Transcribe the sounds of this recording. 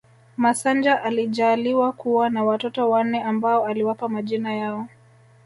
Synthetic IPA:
masand͡ʒaʔaliʄaːliwakuwanawatɔtɔwanɛambaɔaliwapamaʄinajaɔ

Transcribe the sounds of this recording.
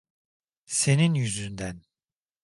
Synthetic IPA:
se̞ninjyzynd̪æn

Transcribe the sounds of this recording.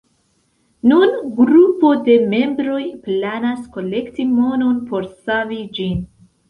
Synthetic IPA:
nunɡɾupo̞de̞me̞mbɾo̞jplanasko̞le̞ktimo̞no̞npo̞ɾsavid͡ʒin

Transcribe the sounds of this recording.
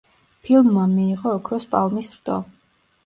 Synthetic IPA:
pʰilˠmːamiːʁɔːkʰɾɔspʼalˠmisɾd̪ʼɔ̰

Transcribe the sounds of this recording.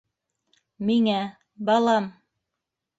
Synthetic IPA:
miŋæ | bɑlˠɑm

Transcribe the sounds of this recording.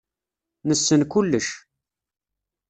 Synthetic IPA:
nəsːənkulːəʃ

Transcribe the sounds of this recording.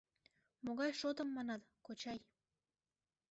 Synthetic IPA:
moɣɑjʃot̪əmːɑnɑt̪ | kot͡ɕɑj

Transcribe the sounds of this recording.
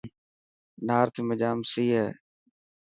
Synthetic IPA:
naːɾt̪ʰːməd͡ʒaːmsiːɦɛː

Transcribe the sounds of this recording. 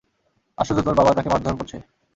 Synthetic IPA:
a̰ʃod͡ʑot̪aɾbabat̪akemad̪ʱonkoɾt͡ɕʰe

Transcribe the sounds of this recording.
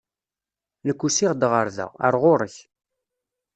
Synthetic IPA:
nəkʷːusiʁd̪ʁəɾðæ̰ə̰ɾˤʁʊɾəç

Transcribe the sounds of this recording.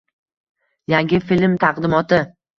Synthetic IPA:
jaŋɡʲɪfilmt̪ʰɑqd̪ɪmɒt̪ɪ

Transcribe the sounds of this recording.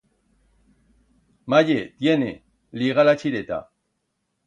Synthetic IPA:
maʎet̪jene | liɣalat͡ʃiɾet̪a̰

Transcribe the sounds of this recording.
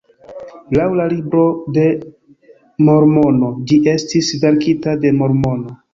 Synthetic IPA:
lawlalibɾo̞de̞ | mo̞ɾmo̞no̞d͡ʒiʔe̞stisdaɾkitade̞mo̞ɾmo̞no̞

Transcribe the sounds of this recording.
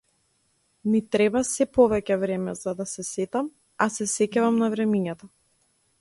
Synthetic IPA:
mit̪ɾɛbasɛpɔvɛcɛvɾɛmɛzad̪asɛsɛt̪am | asɛsɛcavamnavɾɛmiɲat̪a

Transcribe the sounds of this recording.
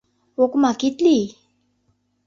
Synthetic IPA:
wokumakit̪li

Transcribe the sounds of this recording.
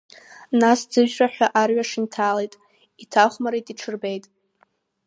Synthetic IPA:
nasd͡zɨʒᶣraħʷᶣaʔarɥaʂɨntʰaːlejtʼ | itʰaχʷmaɾetʼiʈ͡ʂʰɨrbe̞jtʼ

